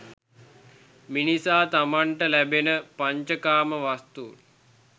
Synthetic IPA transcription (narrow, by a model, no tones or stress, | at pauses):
minisaːt̪amaɳʈəlæbenəpaɲt͡ʃəkaːməʋast̪uːl